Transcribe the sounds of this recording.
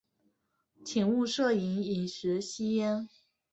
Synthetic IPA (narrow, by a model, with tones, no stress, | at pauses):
t͡ɕʰi˨˩ŋu˥˧ʂɤ˥˩i˧˥ni˨˩nʂɻ̩˧˥ɕi˥ɛ˥n